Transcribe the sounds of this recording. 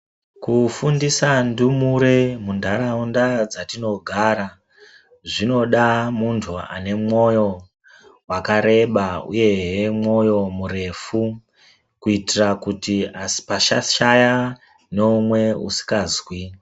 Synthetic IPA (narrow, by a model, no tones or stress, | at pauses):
kufundisandumuɾe̞mundʱaɾaundad͡zatino̞ɡʱaɾa | ʐino̞ɗamuntʰua̰ne̞mo̞jo̞ | wakaɾe̞ɓaṵje̞ɦemo̞jo̞muɾe̞fu | kuitirakutiasi̥paʃaʃaja | noumwe̞ṵsi̥kazwi